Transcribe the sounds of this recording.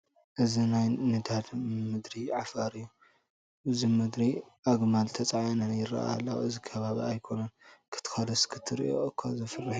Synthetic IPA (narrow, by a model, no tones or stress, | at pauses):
ʔɨzinajnɨd̪ad̪mɨd̪ɾiʕafaɾijːu | ʔɨzimɨd̪ɾiʔaɡmalt̪ʰɐt͡sʼaʕjanɐnjɪɾɐ̰ʔa̰alːɐwɨzikʰɐβaβḭajkʰo̞nɐnkʰɨ̥t̪ʰːɨ̥xad̪ɐskʰɨt̪ʰːɨɾḭʔo̰ʔɨkʰazɨfɨrːɨħ